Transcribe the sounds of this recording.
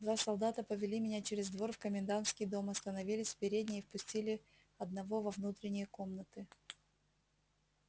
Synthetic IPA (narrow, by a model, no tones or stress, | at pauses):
d̪vasɐlˠd̪at̪əpəvʲɪlʲimʲɪnʲat͡ɕeɾʲɪzd̪vo̞rfkəmʲɪnd̪ant̪skʲɪjd̪o̞mɐst̪ənɐvʲilʲɪsʲfpʲɪɾʲedʲnʲɪjfpʊsʲtʲilʲɪ | ɐd̪̚nɐvo̞vɐvnut̪ɾʲɪnʲɪjəko̞mnət̪ɨ